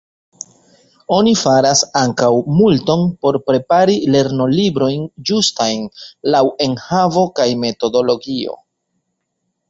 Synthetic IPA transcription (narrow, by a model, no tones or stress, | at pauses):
o̞nifaɾasaŋkawmulto̞npo̞ɾpɾe̞paɾile̞ɾno̞libɾo̞jnd͡ʒustajnlawe̞nhavo̞kajme̞to̞do̞lo̞ɡio̞̰